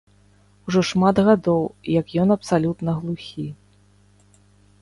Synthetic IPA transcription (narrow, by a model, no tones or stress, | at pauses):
uʐɔʂmad̪ɣad̪ɔwjɐkjɔnɐpsalʲut̪nɐɣlˠuxʲi